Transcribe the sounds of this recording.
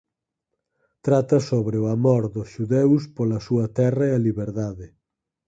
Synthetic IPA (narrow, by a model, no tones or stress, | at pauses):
t̪ɾat̪ɐsoβɾeoamoɾðʊsʃuðewspolɐsuɐt̪ɛrɐeɐliβeɾðaðɪ